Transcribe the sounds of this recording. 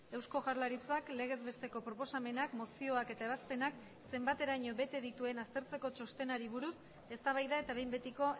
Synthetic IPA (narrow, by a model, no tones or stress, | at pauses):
e̞wsko̞ʝaɾlaɾit͡sakle̞ɣ̞e̞zβe̞st̪e̞ko̞pɾo̞po̞same̞nakmo̞sio̞ake̞t̪ae̞βaspe̞nak | se̞mbat̪e̞ɾaɲo̞βe̞t̪e̞ðit̪ue̞nast̪e̞ɾt͡se̞ko̞t͡ʃo̞st̪enaɾiβ̞uɾus | e̞st̪aβajðae̞t̪aβe̞jmbe̞t̪iko̞